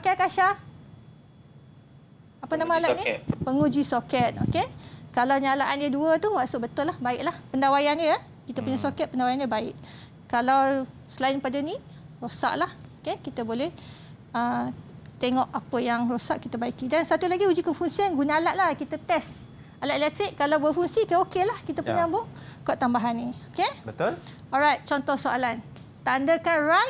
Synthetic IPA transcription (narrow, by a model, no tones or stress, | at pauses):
pakaakaʃa | apənãmaalatnĩpəŋud͡ʒisokɛt̪̚o̰kekalawɲalaʔandəduət̪uwasʊʔ̚bət̪ʊlahbaɪʔlahpəndawajanjə | kit̪apuɲasokɛt̪̚pəndawajandəbaɪʔ | kalaw | səlaɪnpadani | rosa̰ʔlahokekit̪əbolɛh | ət̪eŋɔʔapəjaŋrosaʔkit̪əbaikidansat̪ulaɡiud͡ʒukənfuŋsianɡunaalaʔ̪̚lahkit̪ət̪ɛs | alat̪ʔlɛk̚t̪ɾikːalawbəfuŋsikəokelahkit̪əpuɲaambʊŋkɔʔt̪ambaɦanːiokebət̪olɔlɾajt̪̚t͡ʃɔnt̪ɔhsoalan | t̪andəkanraj